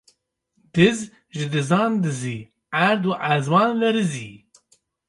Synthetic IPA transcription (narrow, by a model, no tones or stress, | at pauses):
d̪̥ɨz | ʒɨd̪ɨzɑːnd̪ɨziː | æɾd̪uːʔæzwɑːnvɛɾɨziː